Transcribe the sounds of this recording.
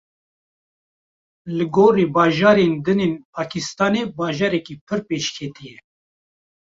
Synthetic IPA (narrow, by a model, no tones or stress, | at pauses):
lɨɡoːɾiːbɑːʒɑːɾend̪ɨneːnpʰaːkʰist̪ɑːneːbɑːʒɑːɾɛkiːpʰɨɾpeːʃkʰɛt̪ijɛ